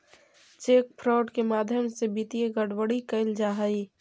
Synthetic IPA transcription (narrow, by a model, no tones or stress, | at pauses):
t͡ʃeːk̚pʰɾɔːɖkemaːd̪ʱjəmsebit̪ijeɡəɽwəɽikəɪld͡ʒaːɦəi